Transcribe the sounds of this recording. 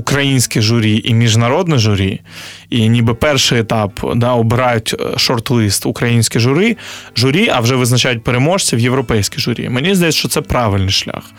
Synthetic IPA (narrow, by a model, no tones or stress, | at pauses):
ʊkɾɐjinʲsʲkʲiʒʊɾʲiʔimʲiʒnɐɾɔd̪nɪʒʊɾʲḭ | inʲibɨpɛrʃɪjet̪ɑpd̪ɑɔbɪɾɑjʊtʲʃɔrt̪lˠist̪ʊkɾɐjinʲsʲkʲiʒʊɾɪʒʊɾʲiʔɐwʒɛʋɪznɐt͡ʃajʊt̚ʲpeɾemɔʃt͡sʲiwjeʋɾɔpɛjsʲkʲiʒʊɾʲḭmenʲizd̪ɐjɛsʲʃt͡ʃɔt̪sɛpɾɑʋɪlʲnɪjʃlʲa̰x